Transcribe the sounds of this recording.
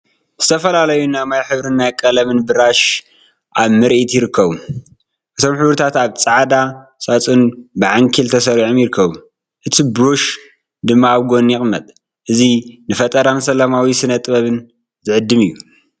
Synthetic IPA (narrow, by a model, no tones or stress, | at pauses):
z̥ɨt̪ʰɐfɐlalɐjunamajħɨβɾɨnːajkʼɐlɐmɨnbɨɾaʃ | ʔaβmɨɾʔit̪jɪɾɨkʰːɐβu | ʔɨt̪ʰo̞mħɨβɾɨt̪ʰat̪aβt͡sʼaʕd̪asʼat͡sʼɨnbɨʕaŋkʰilt̪ʰɐsɐɾiʕomjɪɾɨkʰːɐβu | ʔɨt̪ʰibɾoʃ | d̪ɨmːaːβɡo̞njɪχʼmːɐt̪ʼ | ʔɨzinɨfɐt̪ʼɐɾansɐlɐmawisɨnɐt̪ʼβɐβɨn | zɨʕɨd̪ːɨmɨjːu